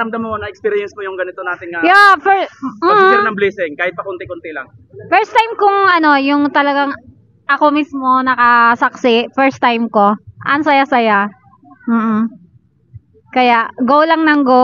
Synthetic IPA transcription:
ɾɐmd̪ɐmɐmonːɐʔɛkspiːɾɪjɛnsmojʊŋɡɐnɪt̪onaːt̪ɪŋŋɐjoʔfɛm̩ːɪnɐŋblisɪŋkaːhɪt̪̚pɐkʊnɪkʊnt̪ɪlaŋ | fɛɹst̪ajmkʊŋʔɐno̞jʊŋt̪ɐlɐɡaŋ | ʔɐko̞mismo̞nɐkɐsɐksɪʔfɛɹst̪ajmko̞ʔɐnsɐjasɐja | m̩ːh̩ | kɐjaʔɡowlɐŋnɐŋɡo

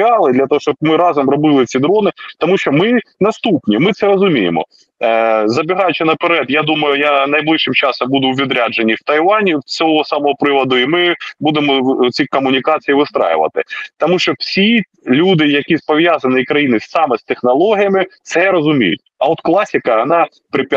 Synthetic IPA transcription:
ɑlˠɪd̪lʲɐt̪ɔɦɔʃt͡ʃɔb̚mɪɾɑzɔmrɔbɪlˠɪt͡sʲid̪ɾɔnɪt̪ɔmuʃt͡ʃɔmɪnɐst̪upnʲimɪt̪sɛɾɔzʊmʲijɪ̰mɔ̰ | zɐbʲɪɦɑjʊt͡ʃɪnɐpeɾɛd̪jad̪umɐjʊjanɐjblˠɪʃɪmt͡ʃɑsɔmbud̪ʊwʋʲid̪ɾʲad͡ʒenʲːiwt̪ɐjʋɑnʲiwt͡sʲɔɦɔsɑmɔɦɔpɾɪʋɐd̪ʊimɪbud̪emɔt͡sʲikɔmʊnʲikɑt͡sʲijiʋɪst̪ɾɑ̰jʊ̰ʋɐ̰t̪ɪt̪ɔmuʃt͡ʃɔwsʲi | lʲud̪ɪjɐkʲispɔʋʲjazɐnɪjikɾɐjinɪssɑmɛst̪exnɐlˠɔɦʲijɐmɪt̪sɛɾɔzʊmʲḭjʊ̰tʲɐ̰ɔt̪klˠɑsʲɪkɐɐnɑ | pɾɪpʲ

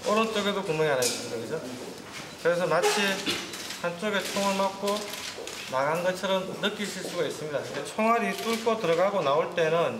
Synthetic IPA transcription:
oɾʌnt͡ɕ͈oɡe̞dokuŋmjʌŋianais͈ɯmidakɯd͡ʑo | kɯɾesʰʌmat͡ɕʰihant͡ɕ͈oɡe̞t͡ɕʰoŋɯɭmak̚k͈ʰo | naɡanɡʌt͡ɕʰʌɾʌmːɯk͈iɭɕʰiɭs͈uɡais͈ɯmɲidandet͡ɕʰoŋɦaɾit͈uɭk͈ʰotɯɾʌɡaɡonaoɭt͈e̞nɯn

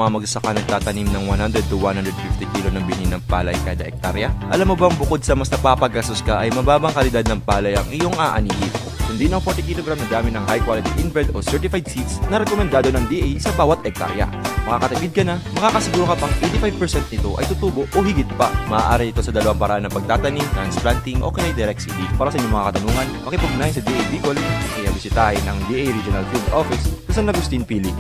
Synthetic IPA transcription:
ɐŋamɐɡ̚sɐkanɐɡ̚t̪aːt̪ɐnimnɐŋwanhand̪ɾɛd̪̚t̪uwanhand̪ɾɛd̪̚fift̪ɪkilo̞nɐŋbɪninːɐŋpa̰ːlɐ̰jkaːd̪ɐʔɛk̚t̪a̰ɾjɐʔɐ̰lamːobɐŋbʊko̞d̪̚sɐmɐsnɐpapɐɡʔɐsoskɐʔɐjmɐbaːbɐŋkɐlɪd̪ad̪̚nɐŋpaːlɐjɐŋʔɪjo̞ŋaːʔɐ̰niɡɪt̪̚ | kʊnd̪inɐŋfoɹt̪ɪkiloɡɾamnɐd̪aːmɪnɐŋhajkwaːlɪt̪iʔɪnvɛld̪o̞sɛɹt̪ɪfajd̪̚sit̪snɐɾɛkomɛnd̪aːd̪o̞nɐŋd̪iʔɛjsɐbaːwɐt̪ʔɛk̚t̪a̰ɾjɐ̰mɐkakɐt̪ʊpid̪̚kɐnamɐkaːkɐsɪɡuːɾokɐpaŋʔejnt̪ɪfajvpɛɹsɛnt̪̚nɪt̪o̞ʔɐ̰jt̪ʊt̪uːbo̞ʔohɪɡɪt̪̚pamɐʔːʔaːɾɪɪt̪o̞sɐd̪ɐlɐwaŋpɐɾa̰hanːɐpɐɡ̚t̪aːt̪ɐnimt̪ɾanspɾant̪ɪŋʔo̰ːkɛjajd̪ɛɾɛk̚t̪sidɪpaːɾɐsɐʔɪɲomɐŋa̰kɐt̪ɐnuːŋɐnmɐkɪpɐɡʊnaːhɪnsɐd̪iʔɛjbiːkolʔɐjɐbɪsɪt̪ahɪnʔɐŋd̪iʔejɾid͡ʒʊnɐlɡɾubʔofɪsʊsɐŋnɐɡʊst̪iŋpiːlɪ

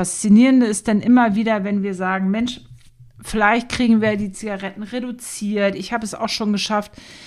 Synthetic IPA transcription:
ast͡siniːʁəndəɪstd̥anʔɪmɐviːdɐvɛnviːɐzaːɡŋ̩mɛnʃ | fɪlaɪçt̚kʁ̥iːɡŋ̩viːɐjadiːt͡siɡaʁɛtn̩ʁedut͡siːɐtɪçhaːbəɛsa̰ʊxʃoːnɡəʃaft

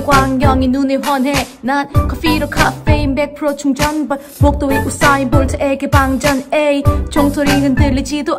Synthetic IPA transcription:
ɡwaŋɡjʌŋinuneɦwʌnɦenankʰʌfiɾokʰafeimbek̚pʰɯɾot͡ɕuŋd͡ʑʌnb | mok̚t͈oiʔus͈aibuɭtʰekebaŋd͡ʑʌnejt͡ɕoŋsʰoɾiɡɯndɯlːid͡ʑido

